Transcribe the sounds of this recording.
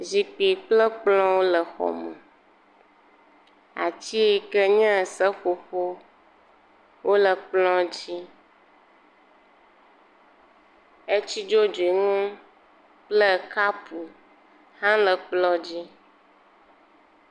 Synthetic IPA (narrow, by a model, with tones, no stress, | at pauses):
zi˨pi˨k͡plə˦k͡plɔ̃˦wo˦lə˨xɔ̰˨mə̰̃˨ | a̰˨t͡ɕi˦kə˦ɲã˦˨sə˦ɸo˨ɸo˦ | wʔo˦lə˨k͡plɔ̃˦d͡ʑi˦ | e˦t͡ɕi˦d͡ʒo˦d͡ʒi˨ŋũ˦ | k͡plə˦˨ka˦pu˨ | hã˦lə˨k͡plɔ̃˦d͡ʑi˦